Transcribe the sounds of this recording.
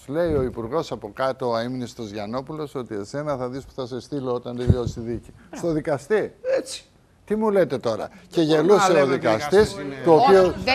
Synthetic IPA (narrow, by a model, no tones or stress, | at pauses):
le̞io̞ipuɾɣo̞sɐpo̞kɐt̪oɐiminist̪ozʝɐno̞pulo̞so̞t̪iese̞nɐθɐðispu̥θɐse̞st̪iloot̪ɐnd̪ivjosiðici | st̪o̞ðikɐst̪i̥ | t̪imule̞t̪e̞t̪o̞ɾɐ̰ce̞ʝe̞luseoðikɐst̪ist̪uopio